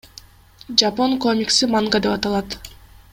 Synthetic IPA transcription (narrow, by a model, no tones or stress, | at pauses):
d͡ʒapo̞ŋko̞mʲiksimaŋɡad̪e̞pɑt̪ɑlˠɑt̪